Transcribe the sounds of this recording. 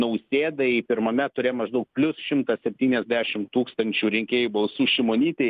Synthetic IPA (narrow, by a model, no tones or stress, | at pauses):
nɐʊsʲeːd̪ɐɪpʲɪɾmɐmʲɛt̪ʊɾʲeːjmɐʒd̪ɐʊk̚pʲlʲʊsʃʲɪmt̪ɐsʲɛpʲt̪ʲiːnʲɛzʲd̪ʲæːʃʲɪmt̪uːkst̪ɐnʲt͡ʃʲuːɾʲɪŋʲkʲeːjubɐlˠsuːʃʲɪmoːnʲiːt̪ʲeː